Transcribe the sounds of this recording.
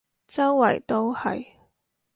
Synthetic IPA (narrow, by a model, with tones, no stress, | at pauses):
t͡sɐ˥wwɐ˨˩jt̪o˥whɐ̰˨j